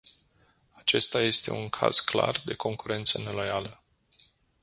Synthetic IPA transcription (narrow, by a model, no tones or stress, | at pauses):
at͡ʃe̞st̪aje̞st̪e̞̰uŋkʰa̰z̥kla̰rd̪e̞kʰo̞ŋkuɾe̞nt̪səne̞lo̞jalə